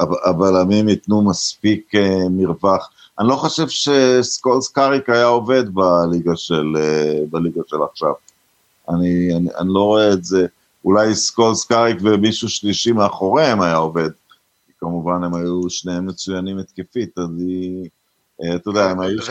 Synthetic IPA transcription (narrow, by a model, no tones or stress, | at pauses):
aabalamimit̪numaspikemiʁbaχ | anilo̞χo̞ʃe̞vʃe̞skolskaʁikajao̞ve̞d̪baliɡaʃelebaliɡaʃe̞laχʃav | aniana̰nilo̞ʁoeːze̞ | ulajskolskaʁikvemiʃuʃliʃimeaχo̞ʁeemajao̞ve̞d̪ | kikamuvane̞majuʃnehemːet͡sujanimet̪kefit̪azi | t̪od̪ɛaemaju